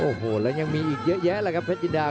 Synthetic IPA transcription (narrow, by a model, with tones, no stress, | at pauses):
ʔo˨˧˩ɦo˨˩laː˨˦ɲa˧ŋmi˨ʔi˨˩ək̚zəː˨˦jzɛː˨˦laː˨˩ɣa˦˥p̚fʰa˦˥t̚t͡ɕi˧nɗaː˧